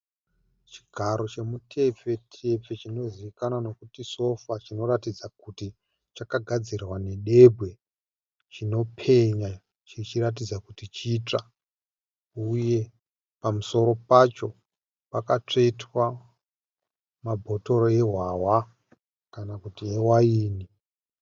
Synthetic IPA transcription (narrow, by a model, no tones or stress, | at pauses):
t͡ʃi̥ɡʱaɾo̞t͡ʃe̞mutʰe̞p͡fe̞tʰep͡fe̞t͡ʃino̞ziʋikanano̞kutiso̞fat͡ʃino̞ɾatid͡zakuti | t͡ʃakaɡʱad͡zirwane̞ɗe̞bʱwe̞ | t͡ʃino̞pʰe̞ɲa | t͡ʃit͡ʃirat̬id͡zakutit͡ʃit͡ʂa | uje̞ | pamuso̞ɾo̞pat͡ʃo̞ | pakat͡ʂe̞tʰwa | mabʱoto̞ɾoe̞ɦwawa | kanakutiewaiːni